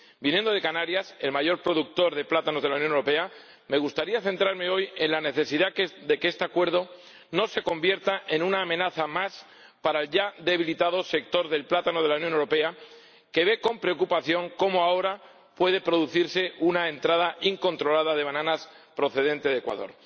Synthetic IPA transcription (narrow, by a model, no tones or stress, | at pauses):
binjend̪o̞ð̞e̞kanaɾjase̞lmaʝo̞ɾpɾo̞ðuk̚t̪o̞ɾðe̞plat̪anoðe̞launjonewɾope̞a | me̞ɣ̞ust̪aɾiaθe̞nt̪ɾaɾme̞oje̞nlane̞θe̞siðad̪e̞keest̪eakwe̞ɾðo̞ | no̞se̞ko̞mbje̞ɾt̪aʔe̞nũnaːmẽ̞naθamas | paɾaelʝaðe̞β̞ilit̪aðo̞se̞k̚t̪o̞ɾðe̞lplat̪ano̞ðelaunjonewɾo̞pe̞a | ke̞βe̞ko̞mpɾe̞okupaθjo̞ŋko̞moao̞ɾa | pwe̞ðe̞pɾo̞ðuθiɾse̞unaent̪ɾað̞aʔiŋko̞nt̪ɾo̞laðaðe̞β̞anãnas | pɾo̞θe̞ð̞e̞nt̪e̞ð̞ekwa̰ðo̞̰ɾ